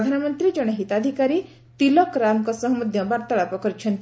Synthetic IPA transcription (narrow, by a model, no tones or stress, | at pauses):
d̪ʱanɔmɔnt̪ɾid͡ʒɔɽ̃ɔɦit̪ad̪ʱikaɾi | t̪ilɔkɾamkɔsɔɦumɔd̪ʱjɔbaɾt̪aɭapɔkɔɾit͡ʃʰɔnt̪